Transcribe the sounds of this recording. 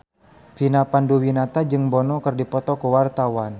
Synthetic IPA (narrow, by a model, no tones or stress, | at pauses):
finapanduwinat̪ad͡ʒɨŋbɔnɔkərdipɔt̪ɔkuwart̪awan